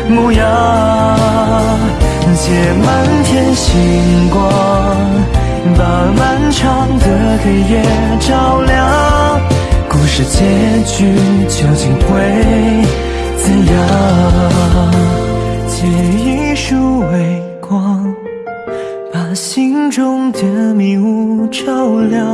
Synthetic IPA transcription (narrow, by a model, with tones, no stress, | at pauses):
mu˧˩jɑ˧ | i˧˩t͡ɕʰjɛ˨˧˩ma˧˥nt̪ʰjɛ˧nɕi˧˩ŋkwɑ˧˥˧ | ŋŋ | pa˨˩ma˧nʈ͡ʂʰɑ˧˥ŋd̪ə˧k̪ʰe˧˩ɪjɛ˧ | ʈ͡ʂɑ˥ʊljɑ˧˦ | ku˧˩ʂɻ̩˧˩t͡ɕjɛ˧˥t͡ɕy˧t͡ɕjo˧ʊt͡ɕi˨˩ŋxwe˧˥ɪ | t͡sɹ̩˥˧ja˧˥ | t͡ɕʰjɛ˨˩i˦ʂu˥we˧˩ɪ | kʰwɑ˥ŋ | pa˨˩ɕi˧˥ŋʈ͡ʂʊ˥ŋt͡ɕɛ˧ə˧mi˧˥u˧˥ʈ͡ʂɑ˥˧˩ʊljɑ˧